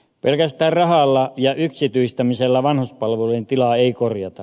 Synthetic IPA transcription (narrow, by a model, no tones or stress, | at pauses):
pelkæst̪æːrrɑhɑlːɑjɑyksit̪yist̪æmiselːæʋɑnhuspɑlʋelunt̪ilɑeikorjɑt̪ɑ